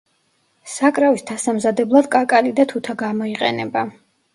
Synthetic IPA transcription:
sakʼɾavisd̪ʰasamzad̪ɛblˠad̪kʼakʼalid̪at̪ʰut̪ʰaɡamɔiqʼɛ̰nɛba

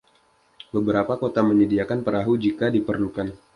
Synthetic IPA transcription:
bəbəɾapakot̪aməɲədiakanpəɾaɦud͡ʒikadipərlukan

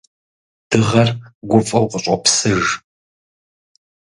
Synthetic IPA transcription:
d̥ɨʁɐrɡʷʊfʼɐwqəɕʼɐpsɨʒ

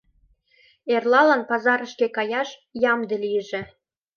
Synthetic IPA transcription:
erlɑlɑnpɑzɑɾə̆ʃkekɑjɑʃjɑmd̪ĕlijəʒĕ

